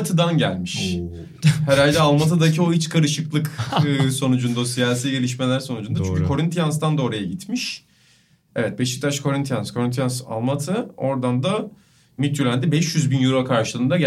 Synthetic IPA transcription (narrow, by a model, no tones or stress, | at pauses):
t̪ʰɯd̪anɟælʲmiʃ | heɾalʲd̪ɛalˠmat̪̬ʰad̪acʰio̞it͡ʃkʰaɾɯʃɯklˠɯkːso̞nud͡ʒund̪asijaːs̬iːɟe̞lʲiʃ̬me̞lʲæɾso̞nud͡ʒund̪at͡ʃʰyɲcʰːkʰo̞ɾint̪ʰijans̬t̪and̪aoɾajaɟit̪miʃ | ɛvɛt̪̚be̞ʃi̥k̚t̪ʰaʃkʰo̞ɾint̪ijanskʰo̞ɾint̪ʰijansa̰lˠmat̪ʰɯo̞ɾd̪and̪a | mit̪yɾlʲænd̪ɛbɛʃjyzbinjuɾakʰaɾʃɯlˠɯːnd̪aɟ